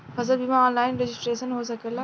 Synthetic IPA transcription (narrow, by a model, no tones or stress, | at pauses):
fɐzəlbʱimãɔːnlaːɪnɾed͡ʒɪsʈɾeːʃənɦosɐkela